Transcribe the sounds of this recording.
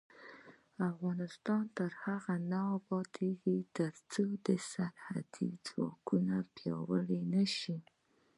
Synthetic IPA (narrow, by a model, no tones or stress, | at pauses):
afɣɑnɪst̪ɑnt̪əɾhaɣanapɑt̪ʰeɡit̪əɾt͡sod̪əsaɾha̰d̪̥ḭd͡zwɑ̰kunapjɑ̰wəlenaʃi